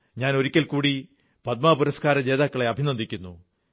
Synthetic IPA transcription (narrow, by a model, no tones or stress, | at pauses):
ɲaːno̞ɾikʲːɐlkuːɽi | pɐt̪̚maːpuɾɐskaːɾɐd͡ʑe̞ːðaːkːɐɭe̞ɐbʱinɐd̪ikʲːunːu